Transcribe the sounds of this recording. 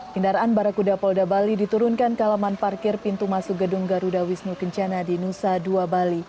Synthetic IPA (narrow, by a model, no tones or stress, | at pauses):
kəndaɾaʔːnbaɾakudapɔldabalidit̪uɾʊnkankalamanparkɪrpint̪umasuk̚ɡədʊŋɡaɾudawisnukəɲt͡ʃanadinusaduabali